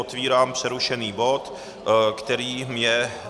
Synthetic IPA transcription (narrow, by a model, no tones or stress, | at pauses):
ot̪viːɾaːmpr̝̥ɛɾuʃɛniːbo̞t̪ | kt̪ɛɾiːmɲɛ